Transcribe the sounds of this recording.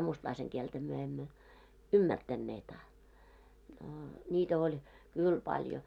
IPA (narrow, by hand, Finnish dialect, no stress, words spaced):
mustlɑiseŋ kieltæ myø emːø ymːærtænːeːt ɑ noː nʲiːtæ olʲ kyˑl pɑljo